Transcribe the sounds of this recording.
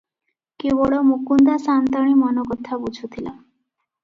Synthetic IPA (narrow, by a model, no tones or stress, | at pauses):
kebɔɭɔmukund̪asant̪ɔɽ̃imɔnɔkɔt̪ʰabud͡ʒʱut̪ʰila